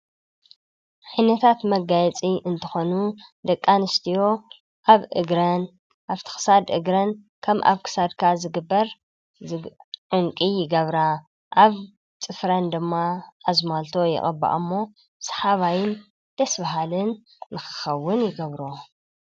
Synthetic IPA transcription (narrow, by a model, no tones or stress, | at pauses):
ʕajnɐt̪ʰat̪mɐɡajɛt͡sʼiʔɨnt̪ʰɨxonud̪ɐkʼːanɨst̪ʰijo̞ | ʔaβʔɨ̰ɡɾɐn | ʔaβt̪ʰɨ̥xɨ̥sad̪ʔɨɡɾɐn | kʰɐmʔa̰βkʰɨ̥sad̪kʰazɨɡɨbːɐɾ | ʕuŋkʼijɪɡɐβɾa | ʔaβ | t͡sʼɨfɾɐnd̪ɨmːaʔazmalt̪ʰo̞jɛ̰ʔʼɐ̰bːa̰ʔɨmːo̞ | sɐ̥ħaβajɪn | d̪̥ɐsbaɦalɨnː | ɨxɨ̥xɐwːʊnjɪɡɐβɾo